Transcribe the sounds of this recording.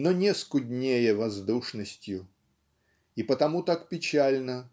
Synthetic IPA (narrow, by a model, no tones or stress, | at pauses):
nonʲeskʊdʲnʲejəvɐzd̪uʂnəsʲtʲjʊ | ipət̪ɐmut̪akpʲɪt͡ɕælʲnə